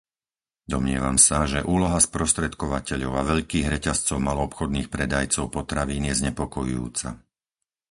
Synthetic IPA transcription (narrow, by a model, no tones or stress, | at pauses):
d̪ɔmɲɪɛ̰ʋamsaʒɛʔuːlɔɦaspɾɔst̪ɾɛt̪kɔʋacɛʎɔʊaʋɛʎkiːɣɾɛcast͡sɔʊmalɔːpxɔd̪niːxpɾɛd̪ajt͡sɔʊpɔt̪ɾaʋiːnjɛzɲɛpɔkɔjṵjṵːt͡sa̰